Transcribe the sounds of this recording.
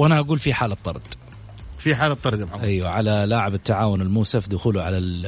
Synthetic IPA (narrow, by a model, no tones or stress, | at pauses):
wʔanaʔaɡuːlfiħaːlɑt̪ˤːɑ̰ɾˤd̪̥ˤ | fiħaːlɑt̪ˤːɑɾˤd̪abʕaʔajwaʕalalaːʕabɪt̪ːaʕaːwʊnɪlmuːsafd̪ʊxuːlʊʕa̰lal